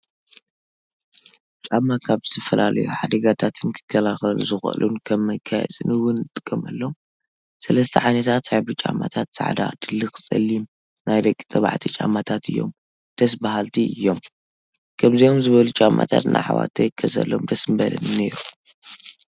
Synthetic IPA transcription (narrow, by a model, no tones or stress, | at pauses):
t͡ʃʼamːakʰaβzɨ̥t̪ʰɐfɐlalʔjuħad̪ɐɡat̪ʰat̪ʰɨnkʰɨ̥kʰːɐlaxɐlṵzɨxɐ̰lʔunkʰɐmːɐjkʰːajɛ̰zɨnɨwʊnɨt̪ʼɨ̥kʼːɐmɐlːo̞m | sɐlɐst̪ʰɐʕajnɐt̪ʰat̪abɨt͡ʃʼa̰mːat̪ʰat̪sa̰ʕd̪a̰d̪̥ɨlːɨkɨ̥sʼɐ̰lːim | najd̪ɐkʼːi̥t̪ʼɐβa̰ʕt̪ʰit͡ʃʼamːat̪ʰat̪ʰɨjːo̞̰m | d̪̥ɐs̬baɦalt̪ʰiɨjːo̞m | kʰɐmzijo̞mzɨβɐlut͡ʃʼamʔa̰t̪ʰa̰t̪nʔa̰jħa̰wa̰t̪ʰɐjɨkʰːɐzɐ̰lːo̞̰md̪ɐsmbɐlɐ̰nne̞ɾu